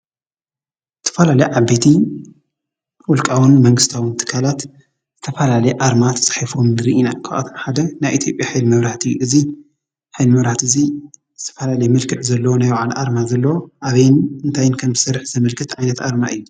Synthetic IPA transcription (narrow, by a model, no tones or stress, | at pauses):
zɨt̪ʰɐ̥fɐlalɐjʕabːet̪ʰi | wɔlkʼawɨnmɐŋɡɨst̪ʰawɨnt̪ʰɨ̥kʰːalat̪ | z̥ɨt̪ʰɐfɐlalɐjʔaɾmat̪ʰɐ̥sʼɨ̥ħafomnɨɾiʔinakʰa̰ʔa̰t̪ʰomħad̪ɐnajʔit̪ʰjo̞pʼjaħɨjlmɐβɾaħt̪ɨjːuʔɨzi | ħɨjlmɐβɾaht̪ɨzizɨt̪ʰɐ̥fɐlalɐjɛmɨlkʰɨʕzɐlːɐwonajwaʕalʔaɾmazɐlːɐwoʔaβɐjnɨnt̪ʰajɪnkʰɐmzɨsɐrːɨħzɐmɐlkʰɨt̪ʕajnɐt̪aɾmaʔɨjːu